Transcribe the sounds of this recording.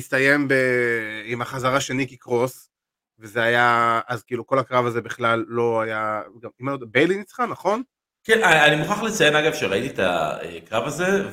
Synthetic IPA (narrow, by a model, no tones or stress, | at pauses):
ist̪aje̞mbe̞imaχazaʁaʃe̞nikikʁos | vezeajaazkiiːluko̞lakʁavaze̞biχlalːo̞ajaɡamimajod̪abejlinit͡sχanaχo̞n | keaanimuχaχlet͡sajemaɡavʃeʁait̪it̪a̰ḛkʁavaze